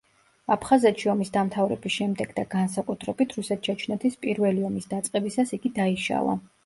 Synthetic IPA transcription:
apʰχazɛt̪ʃiɔmisd̪amt̪ʰavɾɛ̰bisʃɛmd̪ɛɡd̪aɡans̬akʼut̪ʰɾɛbit̪ʰɾusɛt̪̚t͡ʃʰɛt͡ʃʰnɛt̪ʰispʼiɾvɛliɔmisd̪at̪sʼqʼɛbisasiɡid̪aiʃa̰lˠa̰

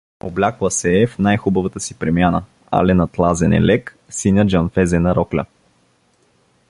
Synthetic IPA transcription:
o̰blʲakvəsɛɛfnajxubəvət̪əsipɾɛmijanə | a̰lɛnɐt̪lˠazɛnɛ̰lɛk | sinʲəd͡ʒɔnfɛzɛnɐɾɔklʲɐ̰

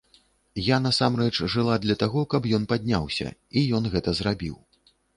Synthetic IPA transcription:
jan̪ɐsamrɛt͡ʂʐɨlˠad̪lʲɐt̪aɣɔkɐbjɔn̪pad̪ʲnʲa̰wsʲɐ̰ijɔnɣɛt̪ɐzrabʲiw

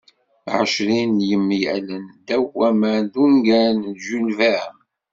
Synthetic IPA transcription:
ʕəʃɾinjəmːijælənd̪æwæmænd̪uŋɡænʒulvæəm

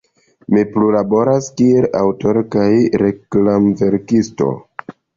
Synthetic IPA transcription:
miplulabo̞ɾaskielawto̞ɾkajɾe̞klamve̞ɾkisto̞̰

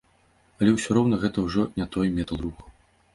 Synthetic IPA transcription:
ɐlʲɛwsʲɔɾɔwnɐɣɛt̪ɐwʐɔnʲat̪ɔjmʲɛt̪ɐlˠruxɐ

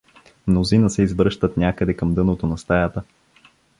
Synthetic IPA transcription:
mnozinəsɛizvɾɤʃt̪ət̪nʲakəd̪ɛkɐmd̪ɤnot̪onɐst̪ajat̪ə

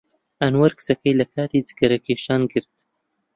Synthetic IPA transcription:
anwɐɾkɨ̥sɐkɐjlɐkʰɑːt̪izi̥ɡɐɾɐkeːʃɑːnɡɨɾt̪

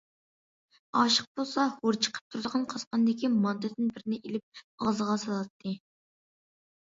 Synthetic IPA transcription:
ɑʃəq̚b̥olˠsɑhoɾt͡ʃʰə̥qʰə̥p̚t̪ʰuɾd̪əʁɑnqʰɑsqɑnd̪ɪkʲimɑnd̪ɨd̪ɪnbɪɾɪnɪʔelɪp̚ɑʁzəʁɑsɑlˠɑt̪ʰːɨ

